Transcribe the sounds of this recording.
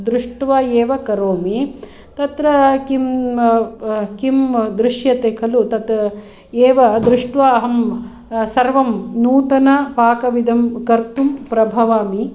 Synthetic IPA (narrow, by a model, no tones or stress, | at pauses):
d̪ɾuʂʈʋɐeːʋɐkɐɾoːmi | t̪ɐt̪ɾɐkim | kimd̪ɾɪʂjɐt̪eːkʰɐlut̪ɐt̪ | eːʋɐd̪ɾuʂʈʋaɐɦɐm | sɐɾʋɐmnuːt̪ɐnɐpaːkɐʋid̪ʱɐmkɐɾt̪umpɾɐbʱɐʋaːmi